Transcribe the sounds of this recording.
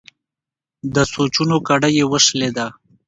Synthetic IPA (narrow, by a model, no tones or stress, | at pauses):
d̪əsot͡ʃunokaɽəjewəʂled̪a